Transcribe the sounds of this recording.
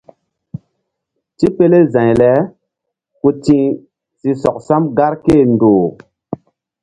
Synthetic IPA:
ti˦pe˦le˦zã˨ɲlɛ˨˦ | ku˦tĩ˦ | si˧sɔ˨k̚sa˦mɡa˦ɾke˦˨ndoː˨

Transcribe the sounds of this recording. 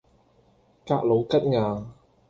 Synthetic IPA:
kaː˧k̚lo˨˧wkɐ˥t̚ŋaː˨˧

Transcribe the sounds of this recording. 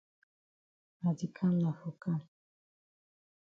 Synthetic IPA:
ma˨di˨kʰa˦m˦a˨fo˨ka˦m

